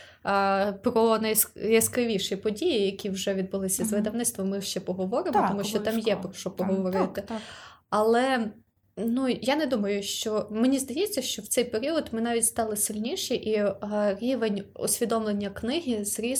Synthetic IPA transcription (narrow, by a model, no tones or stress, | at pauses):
pɾɔnɐjsjɐskɾɪʋʲiʃipɔdʲijijɐkʲiwʒɛʋʲid̪̚bʊlˠɪsʲɐzʋɪd̪ɐwnɪt̪st̪ʋɔmɪʃt͡ʃɛpɔɦɔʋɔɾɪmɔt̪ɔmuʃt͡ʃɔɑmjɛpɾɔʃɔpɔɦɔʋɔɾɪt̪ɪ | ɐlˠɛ | nujanɛd̪umɐjʊʃt͡ʃɔmenʲizd̪ɐjɛt͡sʲːɐʃt͡ʃɔwt̪ɛjpeɾʲiɔd̪mɪnɑʋʲitʲst̪ɑlˠɪsɪlʲnʲiʃiʔiɾʲiʋenʲɔ̰sʲʋʲid̪ɔmlˠenʲːɐknɪɦʲizɾʲi